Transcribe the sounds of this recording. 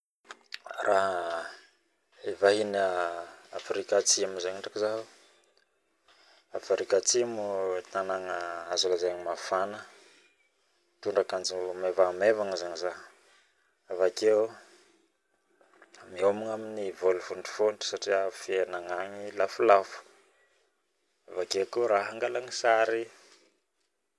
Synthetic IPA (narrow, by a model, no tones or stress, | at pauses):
rʔaɦə | evaɦin | afɾikat͡simuzaɲiɳʈ͡ʂakizavu | afɾikat͡simut̪anaŋəazulazeɲimafanə | t̪uɳɖ͡ʐakand͡ʒimevamevaŋəzaŋiza | avake | miomuŋaminivolufuɳɖ͡ʐu̥fonʈ͡ʂi̥saʈ͡ʂiafienaŋaɲilafulafu̥ | avakekuɾaɦaŋɡalaŋisaɾi